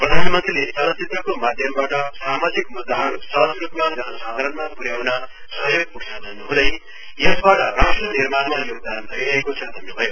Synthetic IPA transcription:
prʌd̪ʱanmʌ̃nt̪rilesʌɦʌt͡sit̪rʌkomad̪ʱjʌmbaʈʌsamad͡zikmud̪ʱːaɦʌnsʌsrupmad͡zʌnʌsad̪ʱaɾʌnmapuɾjawnʌ | sʌɦjoɡ̚puksʰad̪ʱʌnnuɦũd̪ʌj | jʌsbaʈʌrasʈrʌnirmanmajoɡ̚d̪anb̪ʱʌiaekot͡sʰʌd̪ʱʌnubʱʌjo

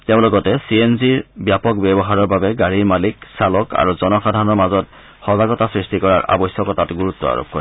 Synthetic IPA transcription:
tɛʊ̃lɔɡɔtɛsienziɹbjapɔkbɛbɔɦaɹɔɹbabɛɡaɹiɹmaliksalɔka̰ɹuzɔnɔxadʱanɔɹmazɔt | xɔzaɡɔtasɹistikɔɹaɹʔa̰bɔsjɔkɔtatɡuɹutːɔ̰a̰ɹo̰p̚kɔɹi

